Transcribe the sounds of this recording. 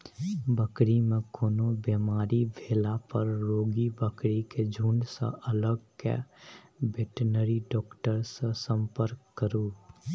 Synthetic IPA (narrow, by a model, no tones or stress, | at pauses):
bəkɽimẽkoːnobemaːɾibʱeːlapəɾːoːɡibəkɽiked͡ʒʱũɳɖsə̰ʔələɡ̚kḛ | beʈənəɾiɖɔːkʈəɾsesə̃mpəɾkːəɾũː